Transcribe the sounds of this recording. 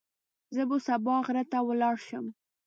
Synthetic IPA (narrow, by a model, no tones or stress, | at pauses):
zəbosabɑɣɾat̪awəlɑɽʃəm